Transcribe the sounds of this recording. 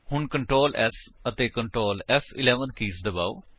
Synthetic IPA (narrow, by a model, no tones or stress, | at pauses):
hʊɳkəɳʈɾoːlɛ̰sət̪eːkəɳʈɾoːlɛfʰɪ̰lɛːʋənkiːsd̪əba̰ːo̰ː